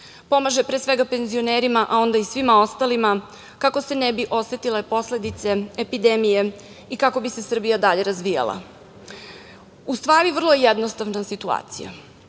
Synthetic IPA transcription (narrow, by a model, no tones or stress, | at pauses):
po̞maʒe̞pɾeːsʋe̞ɡape̞nzio̞neːɾimaʔao̞nd̪aisʋimao̞st̪alima | kako̞se̞nebiʔo̞sʋet̪ilepo̞sle̞d̪it̪se̞epid̪emije̞ | ikako̞bise̞sr̩bijad̪aʎe̞ɾazʋija̰lˠa̰ | ust̪ʋaːɾiʋrlˠoejed̪nost̪aʋnasit̪ua̰ːt̪sḭja̰